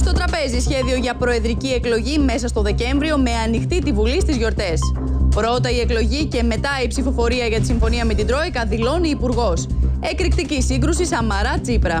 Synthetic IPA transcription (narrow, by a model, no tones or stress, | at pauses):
st̪o̞t̪ɾɐpe̞zisçe̞ðio̞ʝɐpɾo̞e̞ðɾicie̞klo̞ʝime̞sɐst̪o̞ðe̞ce̞ɱvɾio̞me̞ɐnixt̪it̪ivulist̪izʝo̞ɾt̪e̞s | pɾo̞t̪ɐie̞klo̞ʝice̞me̞t̪ɐipsifo̞fo̞ɾiɐʝɐt̪i̥siɱfo̞niɐme̞t̪ind̪ɾo̞ikɐðilo̞niːpuɾɣo̞sekɾikt̪icisiŋɡɾusisɐmɐɾɐt͡sipɾɐ